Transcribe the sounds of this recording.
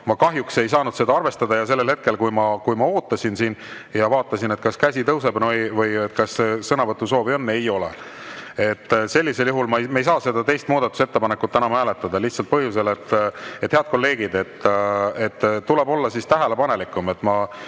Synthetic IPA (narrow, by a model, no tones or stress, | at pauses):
mɑkɑɦjukse̞jsɑːnud̪̥se̞d̪ɑɑrve̞st̪ɑd̪ɑjɑs̬e̞lːe̞lhe̞t̪̚ke̞lkujmɑkujmɑo̞ːt̪ˑːɑsʲinsiːnjɑvɑːt̪ːˑɑsine̞t̪kɑskæsʲit̪ɤwse̞bnojvɤjet̪ːkɑsesɤnɑvɤt̪ːˑuso̞ːvionːe̞jo̞lḛ | e̞t̪ːse̞lʲːise̞ljuɦulmɑejmejs̬ɑːse̞d̪̥ɑt̪e̞jst̪muːd̪ɑt̪ːˑu̥set̪ːe̞pɑnekːˑut̪ːænɑmæːle̞t̪ːˑɑd̪ɑliht̪sɑlt̪̚pɤɦjus̬e̞le̞t̪ːet̪heɑd̪̚ko̞lːe̞ːɡ̥id̪̥e̞t̪ːe̞t̪ːtːule̞bo̞lːɑsist̪æɦæle̞pɑne̞likːˑume̞t̪ːˑmɑ